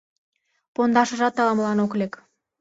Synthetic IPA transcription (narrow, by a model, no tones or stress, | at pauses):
pond̪ɑʃə̆ʒɑt̪ːɑlɑmlɑnoklek